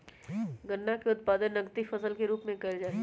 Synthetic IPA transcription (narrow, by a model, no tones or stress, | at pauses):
ɡənːakeʊt̪̚paːd̪ənːəɡt̪ifəsəlkeɾuːpmẽkɐd͡ʒaː